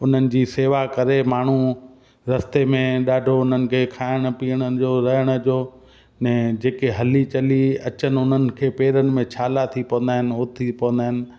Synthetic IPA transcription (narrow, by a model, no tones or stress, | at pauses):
ʊn̤ənɪ̆d͡ʑiːseːʋakɐɾemaːɳ̤u | ɾɐst̪emẽɗaːɖʱoʊn̤ənɪ̆kʰeːkʰaːɪɽ̃ə̆piːəɽ̃əd͡ʑoːɾɐɦəɽ̃ə̆d͡ʑoː | nɛ̃ːd͡ʑeːkeɦɐlit͡ɕɐliɐt͡ɕənɪʊn̤ənɪ̆kʰeːpeːɾənɪ̆mẽt͡ɕʰaːlat̪ʰipɐʋə̃nd̪aːɪnɪʊt̪ʰipɐʋə̃nd̪aːɦɪnɪ̆